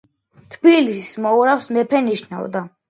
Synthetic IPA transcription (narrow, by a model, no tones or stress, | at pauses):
t̪ʰbilissmɔuɾafsmɛpʰɛniʃna̰wd̪a